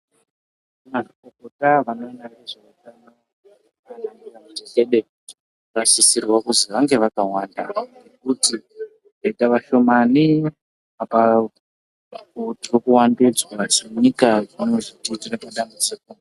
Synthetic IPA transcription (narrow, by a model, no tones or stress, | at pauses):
marikokotaʋanoinaneʐeutano | anaŋiramuiɬeɗe | raʃisirwakuziʋaŋɡe̞ʋakawaːndanekuti | retaʋaʃo̞mani | apa | tirokuwandid͡zwasiɲikaʐanoʐititirapaɗambut͡siko